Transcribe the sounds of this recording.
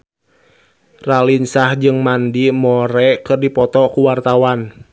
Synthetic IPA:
ralinsahd͡ʒɨŋmandimɔɾɛkɨrdipɔt̪ɔkuwart̪awan

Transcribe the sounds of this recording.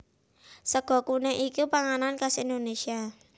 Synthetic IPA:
səɡ̥ɔ̤kuneʔikupaŋanankasind̪onesia

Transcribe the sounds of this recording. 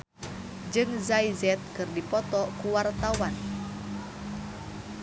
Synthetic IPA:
d͡ʒɨŋzaizɛt̪̚kɨrdipɔt̪ɔkuwart̪awan

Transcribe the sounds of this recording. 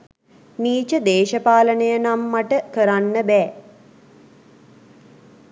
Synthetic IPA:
niːt͡ʃəd̪eːʃəpaːlənəjənamːaʈəkəɾanːəbɛː

